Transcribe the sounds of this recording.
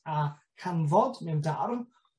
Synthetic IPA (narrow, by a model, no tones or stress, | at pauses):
a | kʰanvɔdmɛwndarm